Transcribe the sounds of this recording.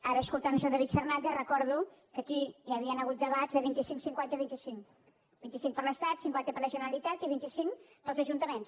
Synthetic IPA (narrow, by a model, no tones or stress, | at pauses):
aɾəːskulˠt̪aməʒɔd̪əβit̪fərnand̪erəkɔɾðukəkijaβiənəɣut̪̚d̪əβazðəβint̪isiŋsiŋkwant̪əβint̪isiŋ | bint̪isiŋpəɾləst̪at̪siŋkwant̪əpəɾləʒənəɾəlit̪at̪iβint̪isiŋpəlˠzəʒunt̪əmens